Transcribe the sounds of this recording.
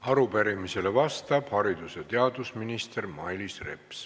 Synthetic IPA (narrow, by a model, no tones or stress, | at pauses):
ɑɾupæɾimise̞levɑst̪ɑb̥hɑɾid̪̥uset̪e̞ɑd̪usminist̪ermɑjlisre̞̰ps